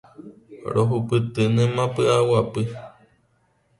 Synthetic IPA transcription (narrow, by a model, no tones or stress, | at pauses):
ɾʔoɦupɨt̪ɨnẽmãpɨawapɨ